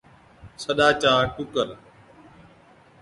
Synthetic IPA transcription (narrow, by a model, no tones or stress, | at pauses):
səɗaːt͡ʃãːʈʊkəɾ